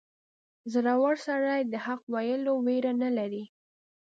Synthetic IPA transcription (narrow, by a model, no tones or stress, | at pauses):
zɾawaɽsaɾajd̪əhaq̚wajəloweɾanalaɾi